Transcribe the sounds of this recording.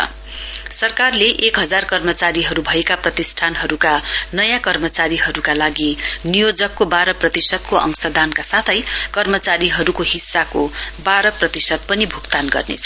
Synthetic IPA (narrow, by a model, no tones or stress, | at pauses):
ʌ̰ | sʌrkarleʔekɦʌd͡zarkʌrmʌt͡saɾiɦʌɾubʱʌekaprʌt̪isʈʰanɦʌɾukanʌjãkʌrmʌt͡saɾiɦʌɾukalaɡinijod͡zʌkːobaɾʌprʌt̪isʌd̪̚koʔʌ̰ŋsʌd̪ankasat̪ʰʌjkʌrmʌt͡saɾiɦʌɾukoɦisːakobaɾʌprʌt̪isʌd̪̚pʌnibʱukt̪anɡʌ̰rnḛt͡sʰʌ